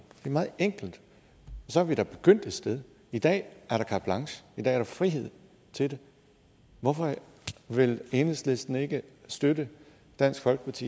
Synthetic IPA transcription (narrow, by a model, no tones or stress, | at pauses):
d̥e̝æmɑ̈ːð̩ˠeŋ̰ɡ̥l̩d̥ | ɒ̽sɒ̽æɐʋid̥ɑb̥e̝ɡ̥øn̰d̥e̝d̥sd̥eð̞ˠ | id̥ɛ̰ːæɐɾ̥ɑ̈kʰɑ̈b̥lɑ̈ŋsə̥id̥ɛ̰ːɐɾ̥ɑ̈fʁiɦe̝ð̞̰ˠ | t͡sʰe̝ld̥e̝ | ʋɒfɒ̽ | ʋe̝le̝ːnəsle̝sd̥n̩e̝ɡ̥əsd̥ødə | d̥æn̰sɡ̥fɒ̽lɡ̥ə̥pʰɑt͡sʰḭː